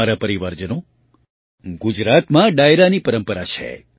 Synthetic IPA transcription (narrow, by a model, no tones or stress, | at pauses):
aɾapəɾiʋaɾd͡ʒəno | ɡud͡ʒɾat̪mãɖajɾanipəɾəmpəɾat͡ʃʰḛ